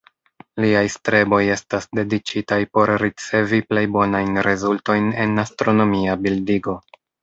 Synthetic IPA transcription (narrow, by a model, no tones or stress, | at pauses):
liajstɾe̞bo̞je̞stasde̞dit͡ʃitajpo̞ɾɾit͡se̞viple̞jbo̞najnɾezulto̞jne̞nastɾo̞no̞miabildiɡo̞